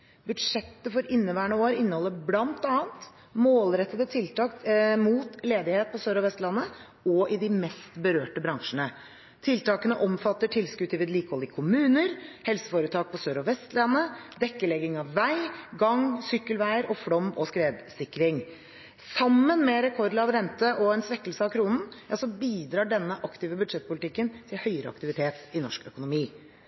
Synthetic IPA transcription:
bʉd̪ʂɛt̪ːəfɔɾʔɪnːəʋæːɳəoːɾɪnːəhɔlːəblɑnt̪ɑːənt̪ | moːlɾɛt̪ːəd̪ət̪ʰɪlt̪ɑːkmuːt̪leːd̪ɪheːt̪̚pʰɔsøːɾɔʋɛst̪lɑnːə | ɔʔɪd̪ɪmɛst̪bəɾøːʈəbɾɑŋʂənə | t̪ʰɪlt̪ʰɑːkənəʔɔmfɑt̪ːəʈʰɪlskʉt̪ʰːɪːʋəd̪liːkəhɔlɪkʰʊmʉːnəɾhɛlsəfoːɾət̪ʰɑːk̚pʰɔsøːɾɔʋɛst̪lɑnːəd̪ɛkːəlɛɡɪŋɑʋːæɪɡɑŋsʏkːəlʋæɪəɾʔɔfɽɔmːɔskɾeːd̪sɪkːɾɪŋ | sɑmːənmɛɾɛkʰɔɾd̪ɑʋɾɛnt̪əʔɔɛnsʋɛkːəlsəɑkʰɾuːnn̩jɑsɔbiːd̪ɾɑːɖɛnːəʔɑkt̪ɪːʋəbʉd̪ʂɛt̪̚pʰʊlɪt̪ɪkːənt̪ʰɪlhœʏəɾə̰ɑ̰kt̪ɪʋɪt̪ʰeːt̪ɪnɔʂkœkʊnʊmiː

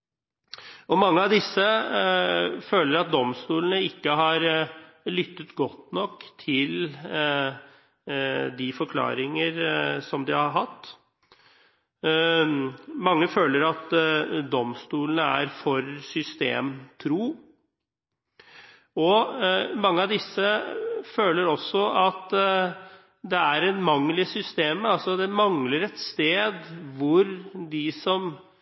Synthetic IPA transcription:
ɔmɑŋːəɑʋd̪ɪsːə | føːləɾɑt̪̚d̪ɔmst̪uːlənəɪkːəɦɑɾ | lʏt̪ːət̪ɡɔt̪nɔkːt̪ʰɪl | d̪ɪfɔɾkʰlɑ̰ːɾɪŋəɾsɔmd̪ɪhɑɾɦɑt̪ː | mɑŋːəføːləɾɑt̪d̪ɔmst̪uːlənəæɾfɔɾsʏst̪ḛːmt̪ʰɾuː | ɔmɑŋːəɑʋd̪ɪsːəføːləɾɔsːɔɑt̪ | d̪ɛæɾɛnmɑŋːlɪsʏst̪eːməɑlsɔd̪ɛmɑŋləɾɛt̪st̪eːd̪ʋʊɾd̪ɪsɔm

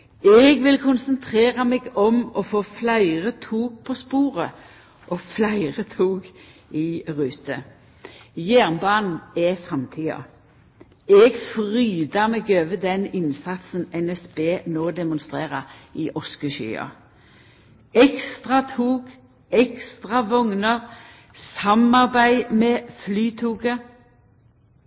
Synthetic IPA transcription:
ɛɡʋɪlkʰʊnsənt̪ʰʁeːʁɑmɛːɡɔmɔfoːflæɪʁət̪ʰuːɡ̚pʰɔspuːʁə | ʔɔflæɪʁət̪ʰuːɡ | ɪʁʉːt̪ʰə | jæːʁnbɑːnn̩ɛfʁɑmt̪ʰiːɑ̰ | ɛɡfʁyːd̪ɑmɛɡøːʋəd̪ɛnɪnsɑt̪sən̩ɛnɛsb̥eːnoːd̪ɛmʊnst̪ʁeːʁəiʔɔskəʃy̰ːɑ̰ | ɛkst̪ʁɑt̪ʰuːɡ | ɛkst̪ʁɑʋɔŋnəʁ | sɑmɑʁbæɪmɛːflyːt̪ʰuːɡə

